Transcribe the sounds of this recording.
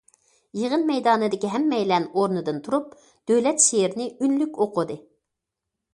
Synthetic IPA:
jeʁənmɛjd̪ɑːnɨd̪ɪkʲiɦɛmːɛjlɛnoɾnɨd̪ɨnt̪ʰuɾup̚ | d̪̥øwlɛt̪ʃeɾnɪynlykʲoqʊd̪ɨ

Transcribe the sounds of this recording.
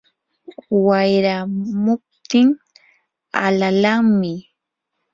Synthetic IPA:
wajɾamʊp̚t̪ɪŋ | a̰lalaŋmɪ

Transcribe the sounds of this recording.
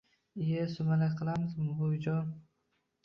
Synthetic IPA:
ɪjasʊmalakʲqʰɨlˠamɪzmʊbod͡ʒɒn

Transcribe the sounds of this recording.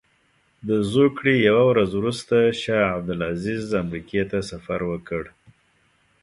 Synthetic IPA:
d̪əzokɽejawawɾazwɾust̪aʃɑab̚d̪ɪlazɪzamɾiket̪asafaɾwəkəɽ

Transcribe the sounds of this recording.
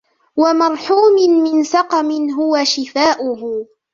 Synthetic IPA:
wamɑɾˤħuːmɪnmɪnsɑqɑmɪnɦʊwaʃɪfaːʔʊhʊ

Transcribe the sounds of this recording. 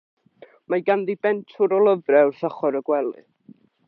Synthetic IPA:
majɡandibɛntʰʊɾɔlˠəvrɛwrsɔχɔɾəɡwɛlˠɨ̰

